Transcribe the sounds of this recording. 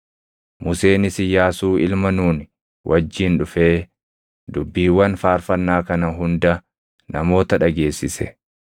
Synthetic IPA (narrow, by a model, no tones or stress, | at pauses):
mʊse̞ːnɪsɪjaːsuːɪ̰lmɐnuːn | wʔɐd͡ʒːiːnᶑʊfe̞ː | d̪ʊbːiːwːɐnfaːɾfɐnːaːkɐnɐɦʊnd̪ɐ | nɐmo̞ːt̪ɐᶑɐɡe̞ːsːɪsɛ̰